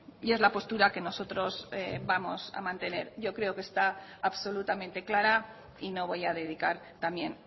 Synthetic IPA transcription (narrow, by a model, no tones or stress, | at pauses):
je̞zlapo̞st̪uɾake̞no̞so̞t̪ɾo̞zebamo̞sa̰mãnt̪e̞ne̞̰ɾʝo̞kɾe̞okest̪aːβso̞lut̪amẽnt̪e̞klaɾa | ino̞β̞o̞jaðe̞ð̞ikaɾt̪amje̞n